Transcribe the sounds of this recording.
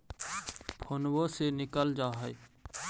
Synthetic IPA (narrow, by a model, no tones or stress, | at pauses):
pʰonwosenɪkəld͡ʒaːɦəe